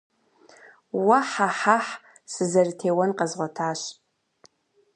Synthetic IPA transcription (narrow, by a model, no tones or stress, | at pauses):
wɐħaħaħ | sɨzɐrtʰeːwɐnqɐzʁʷɔtʰaːɕ